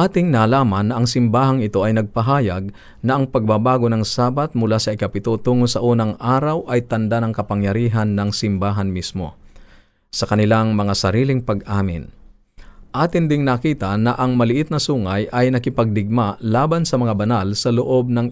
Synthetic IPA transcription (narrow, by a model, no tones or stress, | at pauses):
ʔaːt̪ɪŋnaːlaːmɐnːɐʔɐŋsɪmbaːɦɐŋɪt̪o̞ʔɐjnɐɡ̚pɐɦaːjaɡ̚ | nɐʔɐŋpɐɡ̚babaːɡo̞nɐŋsaːbat̪̚mʊlasɐɪkɐpɪt̪o̞t̪uːŋosɐʔuːnɐŋʔaːɾɐwʔɐjt̪ɐnd̪anɐŋkɐpɐŋjɐɾiːɦɐnːɐŋsɪmbaːɦɐnmismo̞̰ | sɐkɐnɪlaŋmɐŋasɐɾiːlɪŋpɐɡʔaːmɪ̰n | ʔaːt̪ɪnd̪ɪŋnɐkiːt̪ɐnɐʔɐŋmɐlɪʔɪt̪̚nɐsuːŋɐjʔɐjnɐkɪpɐɡ̚d̪ɪɡ̚malaːbansɐmɐŋabɐnalsɐloʔo̞b̚nɐŋ